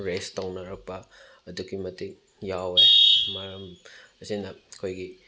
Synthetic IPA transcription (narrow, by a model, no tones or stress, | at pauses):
ɾestɐwnɐɾɐk̚pɐ | ɐdukimɐtik | jawemaɾɐm | ɐsinɐkʰojɡi